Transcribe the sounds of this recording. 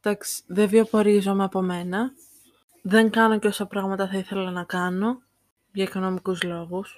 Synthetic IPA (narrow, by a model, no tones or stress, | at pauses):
d̪̥ɐksi̥ðeviopo̞ɾizo̞meɐpo̞me̞nɐ | ðe̞ŋkɐno̞ceo̞sɐpɾɐɣmɐt̪ɐθɐiθe̞lɐnɐkɐno̞ | ʝɐiko̞no̞mikuzlo̞ɣus